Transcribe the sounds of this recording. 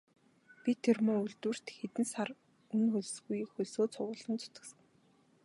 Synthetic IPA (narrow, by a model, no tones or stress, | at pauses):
pʲit̪ʰːermoːuɮt̪wɘ̆r̥t̪xet̪ɘ̆nsar | ɵnxɵɮsɡujxɵɮsoːt͡sʰʊwʊːɮə̆nt͡sʰʊ̥t̪ə̆ksə̆ŋ